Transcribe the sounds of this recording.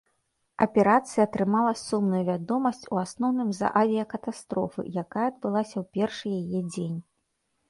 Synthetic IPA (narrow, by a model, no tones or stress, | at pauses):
ɐ̰pʲɛɾat̪sɨjɐːt̪ɾɨmalˠɐsumnujuvʲad̪ɔmɐsʲt͡sʲuasnɔwnɨmzɐ̰ʔavʲijɐkɐt̪ast̪ɾɔfɨ̰jakajɐɐd̪̚bɨlˠasʲɐwpʲɛrʂɨjajɛd͡zʲenʲ